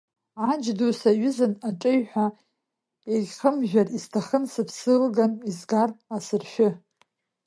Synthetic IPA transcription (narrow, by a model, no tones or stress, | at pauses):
ʕad͡ʒdusaɥʏzɨnaʈ͡ʂʼɨjħʷᶣa | ejʲχəmʒᶣʷariztʰaχənsɨpʰsɨlɡanizɡarasɨrʃʷᶣʊ